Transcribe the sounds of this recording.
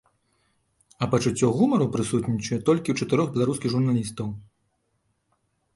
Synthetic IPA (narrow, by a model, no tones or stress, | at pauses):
ɐpɐt͡ʂut͡sʲːɔɣumɐɾupɾɨsut̪nʲit͡ʂɨjɛt̪ɔlʲkʲiwt͡ʂɐt̪ɨɾɔɣbʲɛlˠaɾuskʲiɣʐurnalʲist̪ɐw